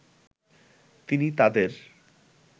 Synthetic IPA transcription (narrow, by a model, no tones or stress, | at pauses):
t̪init̪ad̪eɾ